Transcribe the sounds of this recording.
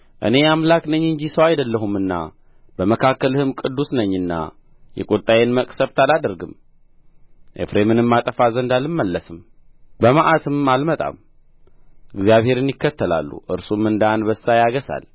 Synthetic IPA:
ʔɨ̰ne̞jamlaknəɲːɨɲd͡ʒisəwajd̪əlːəɦumɨnːa̰ | b̥əməkʰakːəlɨhɨmkʼɨd̪ːusnəɲːɨnːa̰ | jɛ̰kʼot̪ʼajenməkʼsəft̪ʰalad̪ɨɾɡɨm | ʔḛfɾemɨnɨmːat̪ʼəfazənd̪alɨmːəlːəsɨmbəmaʔat̪ʰɨmalmət̪ʼa̰m | ʔɨɡzijaβhe̞ɾɨnjɪkːət̪ːəla̰lːṵʔɨ̰ɾsumɨnd̪anbəsːajaɡəsa̰l

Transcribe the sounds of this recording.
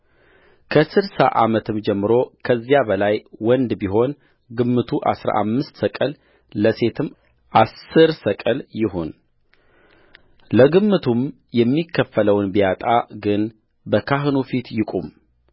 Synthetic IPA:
kʰəsɨɾsa̰ʔamət̪ʰɨmd͡ʒɛmːɨɾo̞kʰəzːjabəlajwɔnd̪biɦo̞n | ɡɨmːɨt̪ʰuʔa̰sɾa̰ʔamːɨst̪səkʼəl | ləse̞t̪ʰɨm | ʔasːɨɾsəkʼəljɪɦon | ləɡɨmːɨt̪ʰum | jɛmːikʰːəfːələwnbijat̪ʼaɡɨn | bəkʰaɦɨnufit̪jɪkʼum

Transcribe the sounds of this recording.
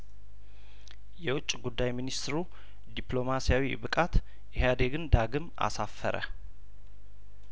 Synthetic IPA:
jɛwʊt͡ʃʼːiɡud̪ːajminist̪ɾu | d̪iplo̞masijawibɨkʼat̪ | ʔɪɦad̪eɡɨnd̪aɡɨma̰safːə̰ɾʔə̰

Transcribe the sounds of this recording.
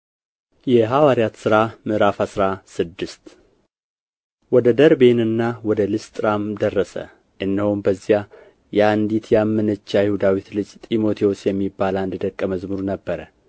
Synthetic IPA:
jɛɦawaɾijat̪sɨɾamɨɾafasɾasɨd̪ːɨst̪ | wɔd̪əd̪əɾbe̞nɨnːawɔd̪əlɨst̪ʼɾamd̪ərːəsə̰ | ʔɨnːəhombəzːija | jɛand̪it̪jamːɨnət͡ʃːajɪhud̪awit̪lɨd͡ʒʼt̪ʼimo̞t̪ʰijo̞sjɛmːibːalaɨnd̪ɨd̪əkʼːəməzmɨɾunəbːəɾə

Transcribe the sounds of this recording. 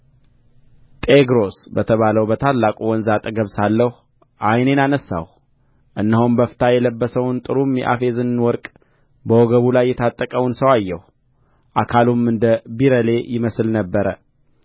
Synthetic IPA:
t̪ʼeɡɾo̞sbət̪ʰəβaləwbət̪ʰalːakʼuwɔnzat̪ʼəɡəβsalːəhu | ʔajne̞nanəsːa̰h | ʔɨnːəɦumbəfɨ̥t̪ʰajɛləbːəsəwnt̪ʼɨɾumjɛ̰ʔa̰fe̞zɨnwɔɾkʼ | bəwɔɡəβulajːɛt̪ʰat̪ʼːəkʼəwnsəwajːɛh | ʔakʰalumɨnd̪əbiɾəle̞jɪməsɨlnəbːəɾə

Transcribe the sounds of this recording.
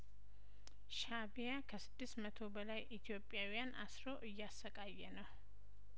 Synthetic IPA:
ʃabijakʰəsɨd̪ːɨst̪mət̪ʰo̞bəlajʔit̪ʰijo̞pʼːjawijanʔa̰sɾo̞ʔɨjːasːəkʼajːɛnəw

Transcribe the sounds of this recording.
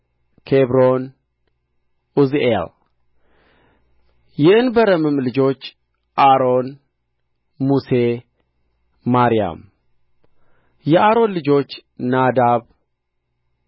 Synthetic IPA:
kʰeβɾo̞n | uzʔel | jɪʔɨnbəɾəmɨmlɨd͡ʒo̞t͡ʃː | ʔaɾo̞n | muse | maɾija̰m | jɛʔaɾo̞nlɨd͡ʒo̞t͡ʃːnad̪aβ

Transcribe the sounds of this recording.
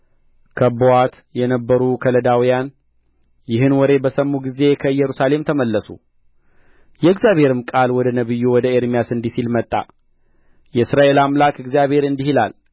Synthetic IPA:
kʰəbowat̪ | jɛnəbːəɾukʰələd̪awijan | jɪɦɨnwɔɾe̞bəsəmːuɡize̞kʰəɨjːɛɾusale̞mt̪ʰəməlːəsṵ | jɛɨɡzjaβhe̞ɾɨmkʼalwɔd̪ənəβɨjːuwɔd̪əeɾmijasɨnd̪isilmət̪ʼːa̰ | jɛɨsɾaʔe̞lamlakɨɡzjaβe̞ɾɨnd̪ihila̰l

